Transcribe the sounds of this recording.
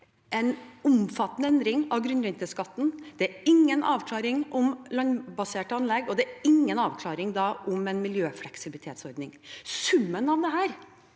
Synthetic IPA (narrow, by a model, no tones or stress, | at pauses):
ʔɛnʊmfɑt̪ːnəɛnd̪ɾɪŋɑʋɡɾʉnɾɛnt̪əskɑt̪ːn̩d̪̥ɛæɾɪŋːənɑːʋkʰlɑːɾɪŋʔʊmlɑnbɑseːʈɑnlɛɡɔd̪ɛæɾɪŋːənɑːʋkʰlɑːɾɪŋd̪ɑːʔʊmɛnmɪljøːflɛksɪblɪt̪ʰeːt̪sɔɾd̪nɪŋsʉmːənɑʋd̪ɛɦæːɾ